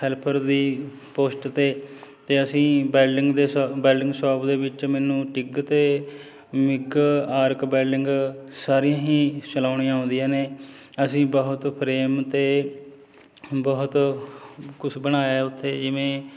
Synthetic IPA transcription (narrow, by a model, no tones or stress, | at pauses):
ɛːlpʰəɾd̪iː | poːsʈt̪eːt̪eːəsĩːbɛːɪŋɡd̪eːbɛːlɖɪŋɡsɔːpd̪eːʋɪt͡ʃmɛːnũːʈɪɡt̪eː | mɪɡaːɾkbɛːlɪŋɡsaːɾijãːɦĩːt͡ʃəlaːʊɽ̃iãːõːnd̪ijãːneː | əsĩːbɔɦʊt̪pʰɾeːmt̪eː | bɔːʊt̪ | kʊt͡ʃʰbəɽ̃aːjaeːʊt̪ʰːeːd͡ʒɪʋẽː